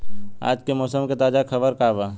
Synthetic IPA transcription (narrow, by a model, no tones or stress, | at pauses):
a̰ːd͡ʒkemɔːsəmket̪aːd͡ʒakʰɐbəɾkaːʋaː